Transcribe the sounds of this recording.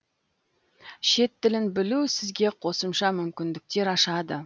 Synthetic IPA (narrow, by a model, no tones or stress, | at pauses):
ʃe̞t̪ːɪlɪnbɪlusɪzɡʲe̞qʰo̞səmʃɑmʏmkʲɪnd̪ɪk̚t̪e̞ɾɑʃɑd̪ə